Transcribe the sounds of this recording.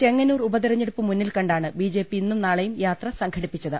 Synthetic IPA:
t͡ɕe̞ŋːɐnuːrubɐðirɐɲːeɽupːɨmunːilkɐɳɖaːɳɨbiːd͡ʑe̞ːpːiinːumnaːɭɐjumjaːt̪rɐsɐŋkʰɐɽipːit͡ɕːɐðɨ

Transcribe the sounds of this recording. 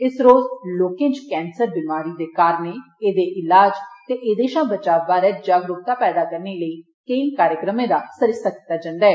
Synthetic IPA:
ɪsɾoːzloːkẽːt͡ʃkɛːnsəɾbɪmaːɾiːd̪eːkaːɾneː | eːd̪eːʔɪlaːd͡ʒt̪eːʔeːd̪eːʃãːbət͡ʃaːbaːɾɛːd͡ʒaːɡɾʊp̚t̪aːpɛːd̪aːkəɾneːləiː | kəĩːkaːɾjəkɾəmẽːd̪aːsəɾɪst̪aːki̥t̪ːaːd͡ʒãːnd̪aːɦɛː

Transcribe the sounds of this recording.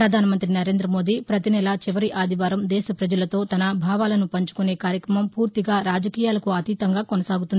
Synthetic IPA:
ɾɐd̪ʱaːnɐmɐnt̪ɾinɐɾe̞ːnd̪ɾɐmo̞ːd̪ipɾɐt̪inɛlɐt͡ʃiʋɐɾiʔaːd̪ʱiʋaːɾɐmd̪ɛːsɐpɾɐd͡ʒɐlɐt̪o̞ːt̪ɐnɐbʱaːʋaːlɐnupɐɲt͡ʃu̥kune̞ːkaːɾjɐkɾɐmɐmpuːɾt̪iɡaːɾaːd͡ʒɐkiːjaːlɐkuɐt̪iːt̪ɐŋɡaːkonɐsaːɡut̪und̪ii

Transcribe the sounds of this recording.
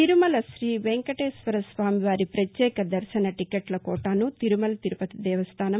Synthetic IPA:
t̪iɾumɐlɐsɾiːʋeŋkɐʈeːsʋɐɾɐsʋaːmiʋaːɾipɾɐt̪jɛːkɐd̪ɐɾʃɐnɐʈikeʈlɐkɔːʈaːnut̪iɾumɐlɐt̪iɾupɐt̪id̪ɛːʋɐst̪ʰaːnɐ

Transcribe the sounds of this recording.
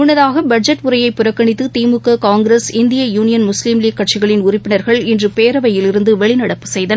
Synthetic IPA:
ʊɳːɐðaːɣɐbɐd͡ʒɐʈʊɾɐjɐɪpːʊɾɐkːɐɳɪt̪ːɯt̪iːmɯkːɐkaːŋɡɾɐsɪnd̪ɪjɐjuːnɪjɐnmʊsliːmliːkːɐʈ̚t͡ʃɪɣɐɭɪnʊrɪpːɪnɐɾɣɐɭɪndrɯpeːɾɐʋɐjɪlɪɾɯnd̪ɯʋɛɭɪnɐɽɐpːɯ̥sɛjðɐn

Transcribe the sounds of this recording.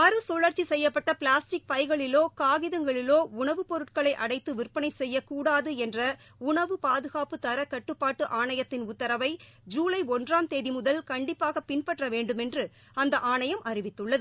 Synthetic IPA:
ɐɾɯsɔɭɐɾt͡ʃisɛjːɐpːɐʈːɐplaːsʈɪk̚pɐɪɣɐɭɪloːkaːɣɪðɐŋɡɐɭɪloːʊɳɐʋɯpɔɾɯʈ̚kɐɭɐɪʔɐɽɐɪt̪ːɯʋɪrpːɐnɐɪsɛjːɐkːuːɽaːðɯɛndrɐ | ʊɳɐʋɯpaːðɯɣaːpɯt̪ɐɾɐkɐʈːɯpːaːʈːɯʔaːɳɐjɐt̪ːɪnʊt̪ːɐɾɐʋɐɪd͡ʒuːlɐɪɔndraːmt̪eːðimʊðɐlkɐɳɖɪpːaːɣɐpɪnpɐʈrɐʋeːɳɖɯmɛndrɯ | ɐnd̪ɐʔaːɳɐjɐmʔɐrɪʋɪt̪ːɯɭːɐðɯ

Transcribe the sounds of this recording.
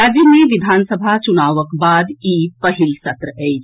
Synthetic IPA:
aːzineʋɪd̪ʱaːnsəbʱat͡ʃʊnaːʋəkbaːd̪iːpɐɦɪlsɐt̪ɾəeːd͡ʒ

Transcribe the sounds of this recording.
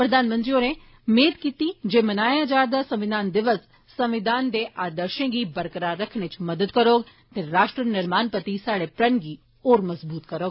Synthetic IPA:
pɾəd̪aːnmə̃nt̪ɾiːoːnẽː | meːd̪kiːt̪iːd͡ʒeːmənaːjãːd͡ʒaːɾd̪aːsəmʋɪd̪aːnd̪ɪʋəs | səmʋɪd̪aːnd̪eːʔaːd̪əɾʃẽːɡiːbəɾkəɾaːɾəkʰnet͡ʃməd̪əd̪kəɾoːɡ | t̪eːɾaːʃʈɾənɪɾmaːnpət̪iːsaːɽeːpɾənɡiː | oːɾməzbuːt̪kəɾoːɡ

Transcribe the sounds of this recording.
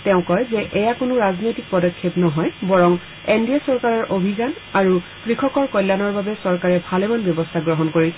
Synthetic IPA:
tɛʊ̃kɔjzɛʔɛjakonʊɹaznojtik̚pɔdɔkʰːepnɔɦɔjbɔɹɔŋ | endiasɔɹkaɹɔɹʔobʱizan | aɹukɹikʰɔkɔɹkɔjlːanɔɹbabɛsɔɹkaɹɛbʱalɛmanbjɔbɔstʰaɡɹɔɦɔnkoɹisɛ

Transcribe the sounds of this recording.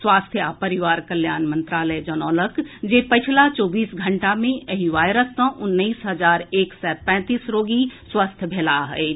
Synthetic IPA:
swaːst̪ʰjapəɾɪʋaːɾkəljaːnmə̃nt̪ɾaːləjd͡ʒɐnɔːləkd͡ʒeːpət͡ʃʰlat͡ʃɔːbiːsɡʱə̃ɳʈamẽəɦiʋaːjɾəsːə̃ʔʊnːəiːsɦəzaːɾeːksɛːpɛ̃ːt̪iːsɾoːɡiswaːst̪ʰjəbʱeːlaɦə̰e

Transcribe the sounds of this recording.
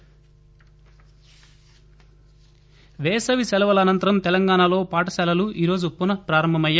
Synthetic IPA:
ʋɛːsɐʋisɛlɐʋɐlɐːnɐnt̪ɐɾɐmt̪ɛlɐŋɡaːɳalo̞ːpaːʈɐsɛːlɐluʔiːɾo̞ːd͡ʒupːunɐpɾaːɾɐmbʱɐmɐjːa

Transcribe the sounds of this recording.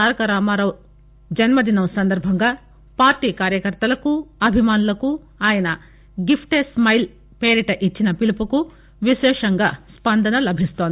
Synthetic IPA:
aːɾɐkɐɾaːmaːɾɐw | d͡ʒɐnmɐd̪inɐmsɐnd̪ɐɾbʱɐŋɡaː | paːɾʈiːkaːɾjɐkɐɾt̪ɐlɐkuɐbʱimaːnulɐku | aːjɐnɐ | ɡipʰʈesmɐjl | peːɾiʈɐʔit͡ʃːinɐpilupuku | ʋiʃɛːʂɐŋɡaːspɐnd̪ʱɐnɐlɐbʱist̪oːnd̪i

